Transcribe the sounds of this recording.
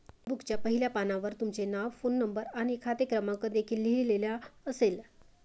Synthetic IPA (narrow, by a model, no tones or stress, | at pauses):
bukt͡ɕjapəɦiljapanaʋəɾt̪umt͡senaʋfonːəmbəɾañikʰat̪ekɾəmãŋkəd̪ekʰiːlːiileljaəsel